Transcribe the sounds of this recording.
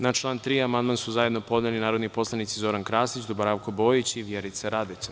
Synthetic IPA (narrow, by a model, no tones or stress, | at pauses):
nat͡ʃlˠaːnt̪ɾiːamand̪mansuzajeno̞po̞d̪nelinaːɾo̞d̪nipo̞slˠanit̪sizo̞ɾankɾaːsit͡ɕd̪obaɾaʋkobo̞ːjit͡ɕiʋjeɾit̪saɾad̪et͡s̪a